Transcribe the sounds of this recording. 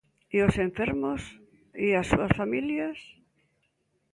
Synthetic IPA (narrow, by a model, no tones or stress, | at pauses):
iosẽɱfeɾmos | iasuasfamiljas